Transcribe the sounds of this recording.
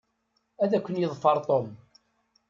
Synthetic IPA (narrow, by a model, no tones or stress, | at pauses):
æðækʷːənjəðˤfɑɾˤt̪ˤom